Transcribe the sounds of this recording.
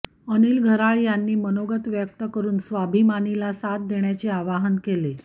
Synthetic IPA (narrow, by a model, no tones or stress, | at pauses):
əniːlɡʱəɾaɭjanːiːmənoɡət̪ʋjək̚t̪əkəɾuːnsʋabʱimanilasat̪̚d̪eɳjat͡seaʋaɦənkele